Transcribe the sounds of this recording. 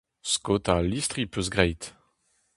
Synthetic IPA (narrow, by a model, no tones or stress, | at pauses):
skot̪alist̪ʁipøs̬ɡʁɛjt̪